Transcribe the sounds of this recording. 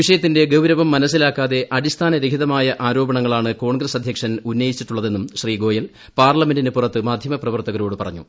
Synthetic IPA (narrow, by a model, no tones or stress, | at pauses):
ʋiʂɐjɐt̪ːinde̞ɡɐwɾɐʋɐmːɐnɐs̬ːilaːkːaːðe̞ʔɐɽist̪ʰaːnɐɾekʰiðɐmaːjɐʔaːɾo̞ːbɐɳɐŋːɐɭaːɳɨko̞ːɳɡresɐd̪ʱjɐkʂɐnunːɐjit͡ɕːiʈːuɭːɐðe̞nːumɕriːɡo̞ːjɐl | paːrlɐmendinepurɐt̪ːɨmaːd̪ʱjɐmɐprɐʋɐrt̪ɐɣɐɾoːɽɨpɐrɐɲːṵ